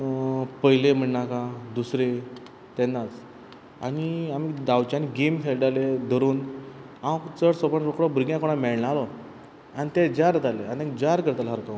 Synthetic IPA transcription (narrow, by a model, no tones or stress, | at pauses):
pəɦilem̤əɳːakad̪usɾe | t̪enːat͡s | a̰ɽiamid̪awt͡ɕaniɡemfelɖaled̪ʱəɾuːn | awkt͡səɽsopəɳɾɔkɽɔbuɾɡjãkoɽ̃amɛɭnaalɔ | anit̪ed͡ʑaɾt̪aleanit̪ẽkd͡ʑaɾkəɾt̪alɦaɾkãw